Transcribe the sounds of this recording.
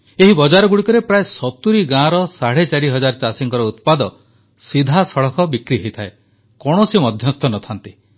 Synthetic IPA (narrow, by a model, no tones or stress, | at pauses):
eɦibɔd͡ʒaɾɔɡuɽikɔɾepɾaesɔt̪uɾiɡãɾɔsaɽet͡ʃaɽiɦɔd͡ʒaɾɔt͡ʃasiŋkɔɾɔut̪̚pad̪ɔ | sid̪ʱasɔɭɔkʰɔbikɾiɦejt̪ʰae | kɔɽ̃ɔsimɔd̪ʱjɔst̪ʰɔnɔt̪ʰant̪i